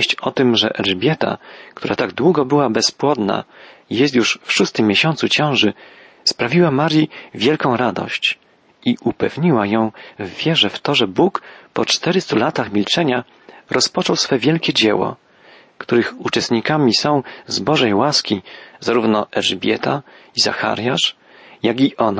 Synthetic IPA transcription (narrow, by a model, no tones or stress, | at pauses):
ɕt͡ɕɔt̪ɘmʐɛ̰ʔɛlʐbʲjɛt̪a̰kt̪uɾat̪aɡd̪wuɡɔbɘwabɛspwɔd̪na̰jɛst̪juʂfʂust̪ɘmʲːjeɕɔ̃nt̪sut͡ɕɛ̃w̃ʐɘ | spɾavʲiwamaɾjivʲjɛlkɔ̃w̃ɾad̪ɔ̰ɕt͡ɕ | iʔupɛvɲiwajɔ̃w̃vːʲjɛʐɛft̪ɔʐɛbukpɔt͡ʂt̪ɛɾɘst̪ulat̪axmʲilt͡ʂɛɲa | ɾɔspɔt͡ʂɔwsfɛvʲjɛlkʲɛd͡ʑɛwɔ̰ | kt̪uɾɘxut͡ʂɛst̪ɲikamʲisɔ̃w̃zbɔʐɛjwaskʲizaɾuvnɔʔɛʐbʲjɛ̰t̪ʰaiza̰xa̰ɾjaʂ | jaɡʲiʔɔn